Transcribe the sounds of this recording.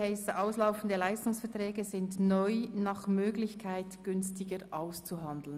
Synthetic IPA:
ɛɪsəʔaʊslaʊfn̩dəlaɪstʊŋsfɛɐtʁɛːɡəzɪndnɔʏnɑːχmøːɡlɪçkʰaɪtɡ̥ʏnstɪɡəɾʔaʊst͡suɦɑndl̩n

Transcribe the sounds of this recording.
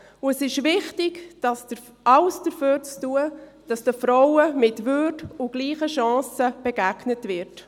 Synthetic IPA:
ʊəsɪʃʋɪχtɪɡd̥ɑsdə | ʔɑlsd̥əɾføːɾt͡stuə | d̥ɑsd̥əfɾɔwəmɪtvødʊɡ̥liːχəʃɑ̃ːsəb̥ɛɡæɡnətvɪɾt

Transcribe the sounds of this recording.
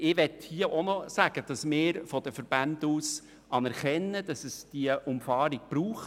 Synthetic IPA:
ɪʋɛthiəʔɔnɔsæɡ̥əd̥ɑsmɪːɾfɔd̥əfəɾb̥ænduːs | ɑnɛɾχɛnːəd̥ɑsəsd̥iəʔʊmfɑːɾiɡ̥̚b̥ɾuːχ

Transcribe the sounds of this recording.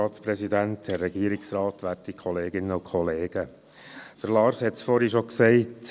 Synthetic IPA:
ɑːt̪spɾɛsid̪æntdɛːɛɡ̥iəɾiksɾɑːtʋæːrtikʰɔleːɡɪnːəukʰɔleːɡ̥ə | d̥əɾlɑːɾshɛtt͡sfɔɾhiʃoksɛɪt

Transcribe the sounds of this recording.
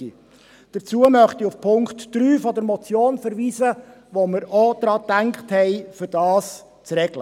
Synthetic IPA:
i | d̥əɾt͡suəmœχt̪iufpʰʊŋktd̥ɾyːfɔdəɾmɔt͡sjoːnfəɾʋiːzə | ʋɔməɾɔd̪̥ɾɑːd̥̪æŋkχthɛɪfʏɾd̥ɑːs | t͡sɾɛɡlə

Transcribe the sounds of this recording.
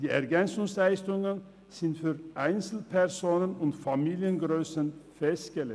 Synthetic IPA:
d̥̪iːʔɛɾɡɛnsʊŋslæɪst̪ʊŋən | sɪnt̪fyːɾʔæɪnsl̩pʰɛɾsoːnənʊnt̪fɑmiːlɪənɡɾøːsənfɛst̪ɡ̥əlɛ

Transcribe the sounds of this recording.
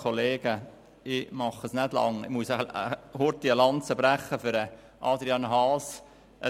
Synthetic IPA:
oleːɡ̥ə | ɪmɑχəsnædlɑ̰ŋɪ̰muəsəəhʊɾt̪iəlɑnt͡səbɾæχːəfʏɾə | ʔɑ̰ːd̪ɾiɑnɦɑːs | ʔə

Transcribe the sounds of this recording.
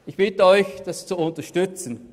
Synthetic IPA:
ʔɪçb̥ɪtəɔʏçd̥ast͡suʊntɐʃtʏt͡sən̩

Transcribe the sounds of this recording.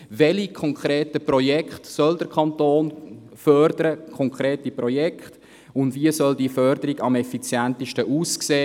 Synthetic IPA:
vɛlikʰɔŋkʰɾeːtəprɔjɛkχtsœldəɾkʰɑntoːn | fœɾdəɾəkʰɔŋkʰʁɾeːtiprɔjɛkχt | ʊndviəsœldiəfœrd̥əɾiɡɑmɛfit͡sjæntiʃtəʔuːskseː

